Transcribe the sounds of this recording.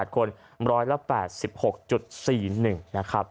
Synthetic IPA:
t̪̚kʰo˧n | ɾɔː˦˥jla˧˥pɛː˨˩t̪̚si˨˩p̚ho˨˩k̚t͡ɕu˨˩t̪̚siː˨˩nɯ˨˩ŋna˦˥kʰɾa˦˥p̚

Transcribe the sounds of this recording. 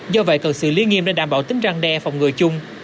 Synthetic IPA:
zɔ˧və̰˧˨jkə˨˩sɨ̰˧˨li˧nŋḭ˧˨əmɗḛ˧˩ɗaː˧˩mɓaː˧˩wt̪ï˨˦ŋ̟zaː˧ŋɗɛ˧fa˨˩wŋ͡mŋɨ˨˩əjt͡ɕʊ˧ŋ͡m

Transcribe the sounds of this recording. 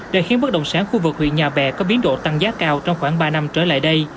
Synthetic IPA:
ɗḛ˧˨˩xi˨˦ənɓə˦˥t̚ɗə̰˧˨wŋ͡msaː˨˦nxu˧vɨ˨˩k̚hwḭ˧˨ənɲaː˨˩ɓɛ˨˩kɔ˨˦ɓi˨˦ənɗo̰˧˨t̪a˧ŋzaː˨˦˥kaː˧wt͡ɕɔ˧wŋ͡mxwaː˧˩ŋɓaː˧na˧mt͡ɕəː˧˩la̰ː˧˨jɗə˧j

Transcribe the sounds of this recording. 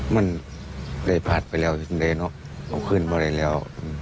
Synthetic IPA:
ma˧˥˨n | da˧˩jpʰaː˧˩t̪̚pa˨jlɛː˧˩wsa˧nda˧˩˨nɔ˧˥ʔ | ʔa̰˧˩wkʰɯː˧˥˨nbɔː˧ɾa˧˩jlɛː˧˩˨wʔɯː˧˩m

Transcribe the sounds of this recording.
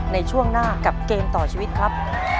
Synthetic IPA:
na˧jt͡ɕʰu˥˩əŋnaː˥˩ka˨˩p̚keː˧mt̪ɔː˨˩t͡ɕʰiː˧wi˦˥t̪̚kʰɾa˦˥p̚

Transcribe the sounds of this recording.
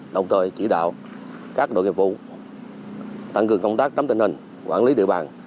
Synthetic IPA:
ɗə˨˩wŋ͡mt̪ʰəː˨˩jt͡ɕi˧˩ɗa̰ː˧˨w | kaː˦˥k̚ɗo̰˧˨jŋi˨˩p̚vṵ˧˨ | t̪a˧˩ŋkɨ˨˩əŋkə˧wŋ͡mt̪aː˦˥k̚ɗə˨˦mt̪ï˧˩ŋhï˨˩ŋ̟ | kwa̰ː˧˩nli˨˦ɗḭ˧əwɓaː˨˩n

